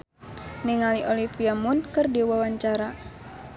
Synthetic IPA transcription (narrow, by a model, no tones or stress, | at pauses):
niŋaliʔolifiamʊnkərdiwawaɲt͡ʃaɾa